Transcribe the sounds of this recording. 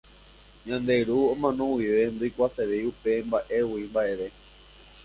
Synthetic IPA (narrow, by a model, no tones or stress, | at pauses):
ɲãnd̪e̞ɾuõmãnõwiʋe̞nd̪ojkʷaseɾeupe̞mbaʔe̞wimbaʔe̞ʋe̞